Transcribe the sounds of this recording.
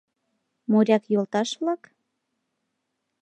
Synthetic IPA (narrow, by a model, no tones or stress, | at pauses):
moɾʲɑkjolt̪ɑʃβlɑk